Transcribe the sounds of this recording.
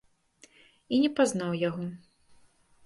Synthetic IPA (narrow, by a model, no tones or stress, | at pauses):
inʲɛpaznawjaɣɔ